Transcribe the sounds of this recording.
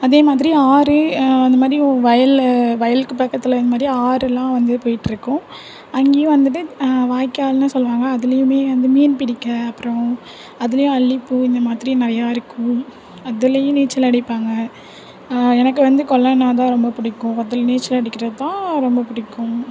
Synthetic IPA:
ɐðeːmaːðɪɾiaːɾɯɐnd̪ɐmaːd̪ɾiɔ̃ʋɐjɐlʋɐjɐlkːɯpɐkːɐt̪ːɪlɪnd̪ɐmaːd̪ɾiaːɾɛlːãːʋɐnd̪ɯpoːjɪʈːɪɾɯkːʊ̃ | ɐŋɡeːjʊ̃ʋɐnd̪ɯʈ̬ːɯʋaːjkːaːlnaːsɔlːʋaːŋɡɐːðɪlɐjʊ̃meːʋɐnd̪ɯmiːnpɪɽɪkːɐɐpːɯɾɔ̃ | ɐðɪlɐjʊ̃ɐlːɪpːɯɪnd̪ɐmaːðɪɾinɪɾɐjaːɪɾɯkːʊ̃ | ɐðɪlɐjʊ̃niːt͡ʃːɪlɐɽɪpːaːŋɡɐ | ɛnɐkːɯʋɐnd̪ɯkɔlːɐnaːt̪̬ãːɾɔmbɐpʊɽɪkːʊ̃ɐt̪ːɐlniːɾt͡ʃːɐlɐɽɪkːɪɾɐðɯt̪ãːɾɔmbɐpʊɽɪkːʊ̃

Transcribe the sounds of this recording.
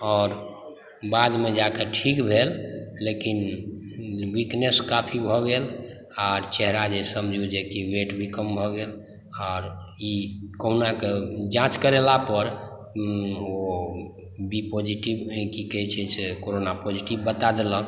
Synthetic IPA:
ɔːɾ | bad̪med͡ʒakeʈʰikbʱelːekin | wikneskapʰibʱɔɡel | aɾt͡ʃɛɦɾad͡ʒesəmd͡ʒʱud͡ʒekiweʈbʱikəmbʱɔɡel | ɔːɾikəɦnaked͡ʒãt͡ʃkəɾelapəɾ | o | bipod͡ʒiʈibkikɛit͡ʃʰɛsekoɾonapod͡ʒiʈibbət̪ad̪elə

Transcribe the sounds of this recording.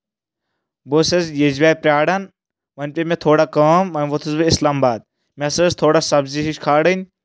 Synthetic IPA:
bosezjezʋʲaːpɾʲaːɽɐn | ʋɐnʲpʲemet̪ʰoːɽakɐmɐnʲʋot̪ʰusbiɪslaːmbaːd̪̚ | mʲesɐzt̪ʰoːɽasɐbziɦiʃkʰaːɽənʲ

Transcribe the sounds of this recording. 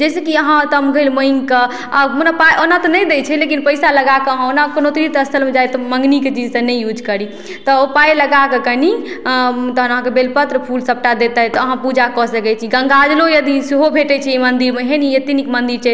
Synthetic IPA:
d͡ʒɛsekiəɦãt̪əmɡʱəlməiŋkə | aonapajʔonat̪ɔnəd̪et͡ʃʰɛlekinpəɪsaləɡakeəɦãonakonot̪iɾit̪əst̪ʰəlmed͡ʒajt̪ɔmə̃ŋɡniket͡ʃid͡ʒsə̃nɛjjud͡ʒkəɾi | t̪ɔopajləɡakekəni | t̪ɔɦənəɦãkebelpət̪ɾəpʰulsəp̚ʈad̪et̪ɛt̪ɔəɦãpud͡ʒakɔsəkɛt͡ʃʰiɡə̃ŋɡad͡ʒlojəd̪isiɦobʱeʈɛt͡ʃʰɛimənd̪iɾmeɦeniet̪inikmənd̪iɾt͡ʃʰɛ

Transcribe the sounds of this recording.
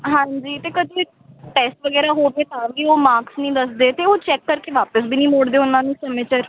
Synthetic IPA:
ɦãːɲd͡ʒiːt̪eːkəd̪ʱõːɪk | ʈɛːsʈʋəɡɛːɾaːɦoːpeːt̪ãːʋiːoːmaːksnĩːd̪əsd̪eːt̪eːoːt͡ʃɛːkːəɾkeːʋaːpəsbʱiːnĩːmoːɽd̪eːʊnãːnũːsəmẽːt͡ʃəɾ

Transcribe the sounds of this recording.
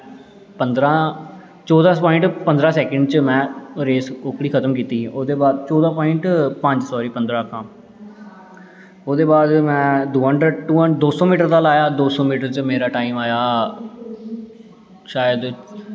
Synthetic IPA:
pənd̪ɾãː | t͡ʃɔːd̪aːpɔːɪ̃ɳʈpənd̪ɾãːsɛːkəɳɖt͡ʃəmɛ̃ːɾeːsʊkɽiːkʰət̪əmk̬iːt̪iːʔoːd̪eːbaːd̪t͡ʃɔːd̪ãːpɔːɪɳʈpə̃ɲd͡ʒsɔːɾiːpənd̪ɾãːkʰãː | oːd̪eːbaːd̪mɛ̃ːd̪oːɦəɳɖɾəɖʈuːəd̪oːsɔːmiːʈəɾd̪aːlaːjaːd̪oːsɔːmiːʈəɾt͡ʃəmeːɾaːʈaːiːmaːjaː | ʃaːjəd̪

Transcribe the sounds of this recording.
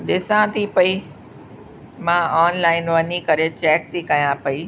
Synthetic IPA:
ɗɪsãt̪ʰipɐi | mãɔːnlaːɪnʋɐnikɐɾet͡ɕɛːk̚t̪ʰikɐjãpɐi

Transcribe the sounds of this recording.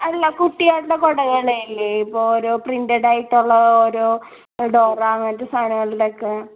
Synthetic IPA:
ɐlːɐkuʈːijaːɽulːɐkoɽɐɣɐɭeilːeipːoːɭoɾoːprindɐɽaːjiʈːuɭːɐoɾoː | ɖoːraɐŋːɐnɐtːest̪ʰaːnɐŋːɐɭiɽokːe

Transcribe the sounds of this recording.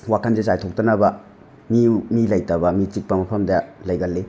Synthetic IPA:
wakʰanzezajtʰok̚tɐnɐbɐ | mimilɐjtɐbɐmit͡ʃik̚pɐmɐpʰɐmdɐlɐjɡɐlːe

